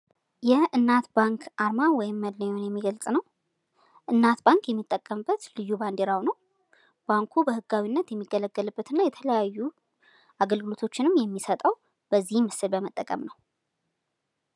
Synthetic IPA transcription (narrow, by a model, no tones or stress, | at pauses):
jɛʔɨnːat̪baŋkʰʔaɾmawɔjɪmːəd̪ləɲonjɛmːiɡəlt͡sʼnəw | ʔɨnːat̪baŋkjɛmːit̪ʼːəkʼːəmbːət̪lɨjːuband̪eɾawnəw | b̥aŋkʰubəhɨɡːawinːət̪jɛmːiɡələɡːəlɨbːət̪ɨnːajɛt̪ʰələjajːu | ʔaɡəlɡɨlo̞t̪ʰo̞t͡ʃːɪnɨmjɛmːisət̪ʼəw | b̥əzːihmɨsɨlbəmət̪ʼːəkʼə̰mnəw